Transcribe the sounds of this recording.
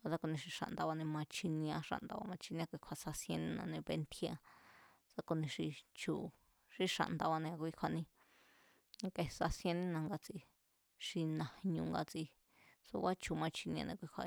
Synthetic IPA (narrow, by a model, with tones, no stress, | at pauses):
a˧sa˦ko˧nĩ˧ʂi˧ʂa̰˧ʔnd̪a˧βa˧nĩ˧mã˧t͡ʃʰi˧nĩ˧ã˧ʂa̰˧ʔnd̪a˧βa̰˧mã˧t͡ʃi˧nĩ˧ã˧kʷi˧kʷʰa˧sa˧sjẽ˧nĩ˦nã̰˧nẽ˧βe˧nt̪ʰi˧˦ã˧ | sa˧ko˧nĩ˧ʂi˧t͡ʃu˨ | ʂi˧ʂa̰˧˨nd̪a˧βa˧nẽ˧a˧kʷi˧˦kʷʰa˧nĩ˧ | ke˧sa˧sjẽ˧nĩ˦nã˧ŋɡa˧t͡si˧ | ʂi˧nã˨hɲũ˧ŋɡa˧t͡si˧ | sṵ˧βa˦t͡ʃu˨mã˧t͡ʃi˧nĩ˧ã̰˧nḛ̃˧kʷi˧kʰʷa̰˧